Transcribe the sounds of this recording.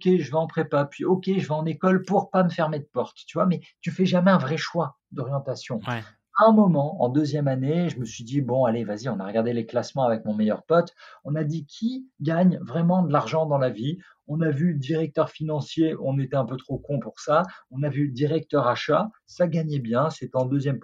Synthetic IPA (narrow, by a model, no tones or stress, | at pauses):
kʲeʒəvaɑ̃pχepapɥiɔkʲeʒəvaɑ̃nekɔlpuʁpaməfɛʁmed̪əpɔʁt̪t̪yvwamɛt̪yfɛʒamɛɛ̃vʁɛʃwa | d̪ɔʁjɑ̃t̪asjɔ̃ | ɛ̃mɔmɑ̃ɑ̰̃d̪øzjɛmaneʒəməsɥid̪ibɔ̃alevaziɔ̃naʁəɡaʁd̪eleklasmɑ̃avɛk̚mɔ̃mɛjœ̰ʁpɔt̪ɔ̃nad̪ikʲʰiɡaɲvʁɛmɑ̃d̪əlaʁʒɑ̃d̪ɑ̃lavi | ɔ̃navyd̪iʁɛk̚t̪œʁfinɑ̃sjeɔ̃net̪ɛɛ̃pøt̪χokɔ̃puʁsaɔ̃navyd̪iʁɛk̚t̪œʁaʃa | saɡaɲɛbjɛ̃set̪ɛɑ̃d̪øzjɛm